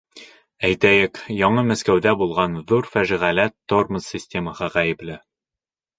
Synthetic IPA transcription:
æjt̪æjɘkjɒɴɤmæskæwðæbulˠʁɑnðuɾfæʒiʁælæt̪ːorməsʲːɪsʲtʲeməhɤʁæjɘ̆plɘ

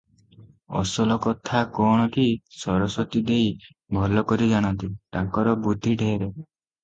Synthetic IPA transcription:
ɔ̰sɔlɔkɔt̪ʰakɔɽ̃ɔkisɔɾɔsɔt̪id̪ej | bʱɔlɔkɔɾid͡ʒaɽ̃ɔnt̪iʈakɔɾɔbud̪ʱːiɖʱeɾe

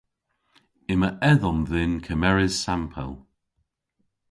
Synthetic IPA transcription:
ɪməʔɛðɔmðɪnkʰəmɛɹɪz̥sampʰə̰lˠ

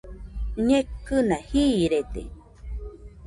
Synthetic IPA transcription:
ɲẽkɨnahiɾet̪ḛ

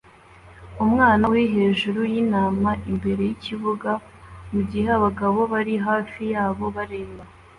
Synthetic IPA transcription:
umŋaːnawiɦe̞ːʒuɾujinaːmaʔimbe̞ɾe̞jiciβuɡa | muɟiheβaɡaβo̞βaɾiɦaːfijaːβo̞βaɾeːβa

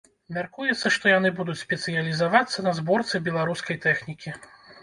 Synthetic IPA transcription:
mʲarkujɛt̪sːɐʂt̪ɔjanɨbud̪ut͡sʲsʲpʲɛt̪sɨjɐlʲizavat̪sːɐnɐzbɔrt̪sɨbʲɛlˠaɾuskɐjt̪ɛxnʲikʲi

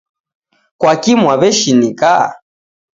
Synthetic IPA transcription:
kwakimwaβɛʃinika

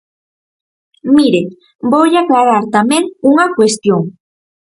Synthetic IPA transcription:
miɾe | bowʎaklaɾaɾt̪amẽŋuŋakwest̪joŋ

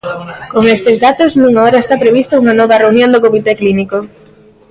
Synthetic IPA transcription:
koŋest̪ezðat̪osmũŋaoɾɐest̪apɾeβ̞ist̪ouŋɐnɔβɐreunjõnd̪okomit̪ekliniko

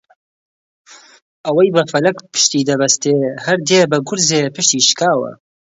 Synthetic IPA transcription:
ʔɐwɐjbɐfɐlɐkpʰɨ̥ʃt̪iːd̪ɐbɐst̪eːhɐɾd̪eːbɨɡʊɾzeːpɨʃt̪iːʃkaːwə̰

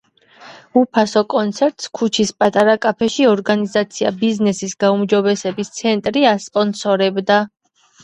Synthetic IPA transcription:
upʰasɔkʼɔnt̪sʰɛɾt̪ʼskʰut͡ʃʰispʼat̪ʼaɾakʼapʰɛʃiɔɾɡanizat̪sʰia̰biznɛsisɡaumd͡ʒɔbɛsɛbist̪sʰɛnt̪ʼɾiaspʼɔnsɔɾɛbd̪a

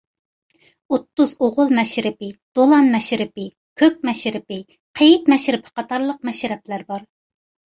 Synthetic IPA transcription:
ot̪ːuzoʁʊlˠmɛʃɾɪpɪd̪̥olˠɑnmɛʃɾɪpɪ | kʲʰøk̚mɛʃɾɪpɪ | qʰejɪt̪mɛʃɾɪpʰɪ̥qʰɑt̪ʰɑɾlˠəq̚mɛʃɾɛp̚læɾbɑɾ

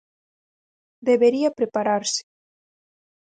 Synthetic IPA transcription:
d̪eβeɾiapɾepaɾaɾse̥

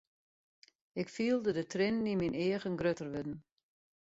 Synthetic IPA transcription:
ɪkfiəlˠdədətrɪndimineəɣənɡrøtərʋødn̩

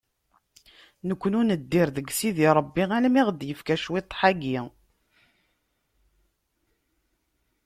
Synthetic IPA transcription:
nəkʷːənʊnəd̪ːiɾðəɡsiðiɾˤəbːiælmiʁd̪jəfkæʃwit̪ˤːħaɡi

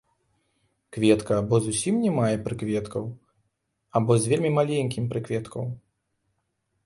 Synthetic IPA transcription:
kvʲɛt̪kɐːbɔzusʲimnʲɛmajɛpɾɨkvʲɛt̪kʰɐw | abɔzʲvʲelʲmʲimalʲenʲkʲimpɾɨkvʲɛt̪kʰɐw

